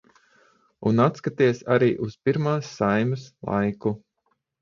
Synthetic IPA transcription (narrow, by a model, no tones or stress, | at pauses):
unat̪skat̪iɛsaɾiːʔuspiɾmaːsːajmɨslˠa̰jku